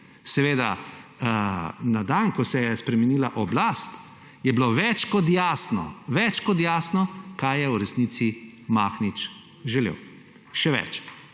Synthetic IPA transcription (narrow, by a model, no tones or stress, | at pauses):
sɛʋeːd̪a | nad̪ankɔsɛjɛspɾɛmɛniːlaʔɔblast̪ | jɛbloʋɛt͡ʃkɔt̪jaːsnɔ̰ʋɛt͡ʃkɔt̪jaːsnɔkajɛuɾɛsnit̪si | maːxnit͡ʃ | ʒɛlḛːw | ʃɛʋɛ̰t͡ʃ